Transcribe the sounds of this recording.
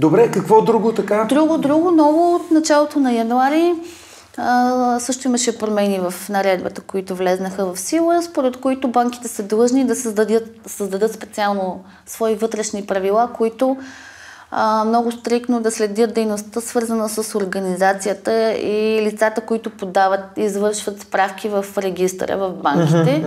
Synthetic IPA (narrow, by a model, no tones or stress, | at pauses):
d̪obɾɛkɐkvɔd̪ɾuɡot̪ɐkad̪ɾuɡod̪ɾuɡʊnɔɡoot̪nɐt͡ʃalˠot̪onɐjɐnuaɾi | əsɤʃt̪oiməʃɛpɾomɛnivəfnɐɾɛd̪bə̰t̪əkoit̪ʊvlɛznəxəvɐfsilˠəspoɾɛt̪koit̪ʊbaŋk̟i̥t̪ɛsəd̪lˠɤʒnid̪ɐsəd̪d̪ət̪səzd̪ɐd̪ɤt̪spɛt̪sialˠno | svɔivɤt̪ɾɛʃnipɾɐvilˠakoit̪o | mnɔɡʊst̪ɾikt̪nod̪ɐslɛd̪ʲət̪̚d̪ɛjnost̪əsvɤɾzənəsəsoɾɡənizat̪sijət̪əilit̪sat̪əkoit̪ʊpod̪avət̪izvɤɾʃvət̪spɾafkʲivəfɾɛɡ̟ʲist̪ɾə̰vɐvbaŋkʲit̪ɛ